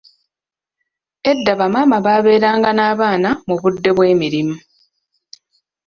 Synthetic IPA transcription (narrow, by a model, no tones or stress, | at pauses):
e̞dːaβamaːmaβaːβe̞ːɾaːŋɡanaːβaːnamuβudːe̞βwe̞ːmiɾimu